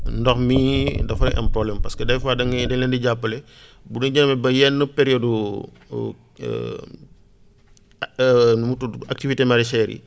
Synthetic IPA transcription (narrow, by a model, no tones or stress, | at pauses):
ndɔxmidɐfɐʔɐ̰mpɾɔblɛmpɐskədɐjfaːdɐŋɡdɛlɛndiɟapːəlɛ | bunɐɟɐnɐmɛbɐjɛnːəpɛɾijɔdu | nmutuak̚tivitemɐɾɛsɛːɾḭ